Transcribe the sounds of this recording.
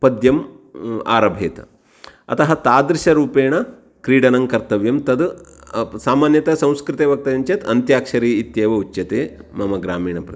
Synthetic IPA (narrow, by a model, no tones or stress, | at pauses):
pɐd̪jɐma̰ːɾɐbʱeːt̪ | ɐ̰t̪ɐɦɐt̪aːd̪ɾɪʃɐɾuːpeːɳ̃ɐ | kɾiːɽɐnɐŋkɐɾt̪ɐʋjɐmt̪ɐd̪ | saːmaːnjɐt̪ɐsɐ̃w̃skɾɪt̪eːʋɐk̚t̪ɐjɐɲt͡ʃɐt̪ɐnt̪jaːkʂɐɾiːit̪jeːʋɐut͡ʃːjɐt̪eːmɐmɐɡɾaːmiːɳɐpɾɐ